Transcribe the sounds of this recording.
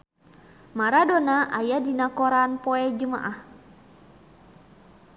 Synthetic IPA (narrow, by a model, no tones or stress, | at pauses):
maɾadɔnaʔajadinakɔɾanpɔɛd͡ʒəma̰ʔah